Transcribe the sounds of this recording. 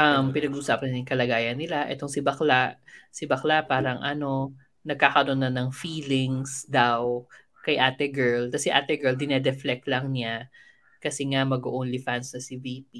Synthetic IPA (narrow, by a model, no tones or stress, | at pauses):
ʔɐmpɪnɐɡuːsaːpɐnɪŋkɐlɐɡaːjɐnːɪlaʔɛ̰t̪o̞ŋsɪbɐklasɪbɐklapaːɾɐŋʔɐno̞ | nɐɡ̚kaːkɐɾonːanɐŋfiːlɪŋsd̪aw | kɐjʔaːt̪ɛɡɛɹlkɐsɛʔa̰ːt̪ɛɡɛɹld̪ɪnɛd̪ɛflɛk̪̚lɐŋnɪa | kɐsɛŋamɐɡoʔonlifansnɐsɪviːp̚i